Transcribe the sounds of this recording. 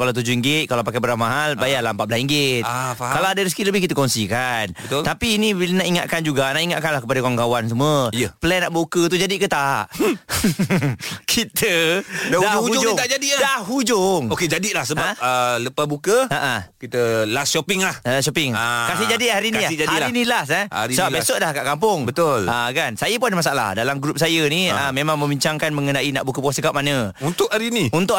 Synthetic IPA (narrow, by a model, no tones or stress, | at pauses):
kalat̪̬ud͡ʒuiŋɡɪt̪̚kalawpakabəɾamaɦalbajalahəmpat̪̚lasiŋɡɪt̪kalawadəɾis̬kiləbɪhkit̪əkɔnsikanbət̪ʊlt̪apiːninaʔiŋat̪̚kand͡ʒuɡanaʔiŋaʔ̪̚kanlahkəpadakwaŋɡawans̬uməəpəlɛnːaʔbəukət̪ud͡ʒadiʔkət̪aʔ | kʰit̪ədadud͡ʒt̪ad͡ʒadidaɦud͡ʒʊŋoked͡ʒadiʔlahsəbaələpabukəaʔakit̪əlasʃopɪŋlahaʃopɪŋakasɪd͡ʒadiʔhaɾinĩd͡ʒahaiɾlinĩlahsɛa̰ɾisəbabesʊʔ̚lahkaʔkampʊŋbət̪ʊlakansajəpunadəmasaala̰hdalamɡɾup̚sajəniəmemaŋmə̃mbiɲt͡ʃaŋkanmə̃ŋənãinaʔbukəpuasəkap̚manəunt̪ʊʔhaɾiniunt̪ʊʔ